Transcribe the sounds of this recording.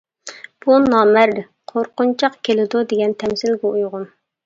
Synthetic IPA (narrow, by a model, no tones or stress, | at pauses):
b̥unɑːmæɾ | qʰoɾqʊnt͡ʃʰɑqkʲʰelɪd̪ud̪eɡʲɛnt̪ʰɛmsɪlɡʲɛujʁʊn